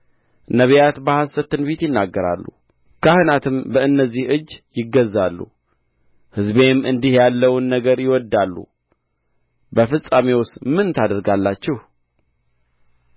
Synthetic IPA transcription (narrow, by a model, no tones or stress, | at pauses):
nəβijat̪bahasət̪ːɨnbet̪jɪnːaɡːəɾa̰lːṵ | kʰahɨnat̪ʰɨmbəɨnːəzːihɨd͡ʒːjɪɡəzːalːṵ | hɨzbe̞mɨnd̪ihjalːəwnːəɡəɾjɪwɔd̪alːṵ | bəfɨsʼamewʊst̪mɨnt̪ʰad̪əɾɡalːat͡ʃːɛh